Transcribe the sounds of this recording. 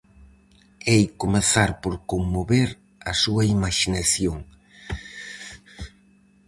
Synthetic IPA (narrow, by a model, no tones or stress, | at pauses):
ejkomeθaɾpoɾkoŋmoβeɾ | ɐsuɐimaʃinaθjoŋ